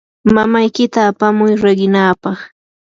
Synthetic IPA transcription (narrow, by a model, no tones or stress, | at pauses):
mamajkɪt̪aːpamʊjɾeɢɪnaːpɑχ